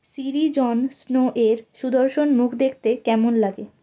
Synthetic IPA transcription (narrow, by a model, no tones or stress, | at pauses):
siɾid͡ʑɔnsnoʔeɾʃud̪oɾʃonmukʰd̪ekʰt̪ekɛmonlaɡe